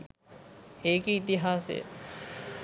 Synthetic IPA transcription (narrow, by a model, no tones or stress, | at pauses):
eːkiit̪iɦaːsḛjə̰